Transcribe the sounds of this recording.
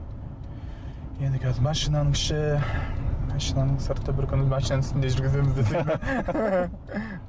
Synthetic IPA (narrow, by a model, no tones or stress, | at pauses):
je̞nd̪ɪkʲʰæzɪmɑʃinɑnəŋkʰʲɪ̥ʃɪ | mɑʃinɑnəɴsəɾt̪əbɪɾkʲʰʏnɪzmɑʃinɑnɪst̪ɪnd̪e̞ʒʏɾɡʲɪzemɪzd̪ese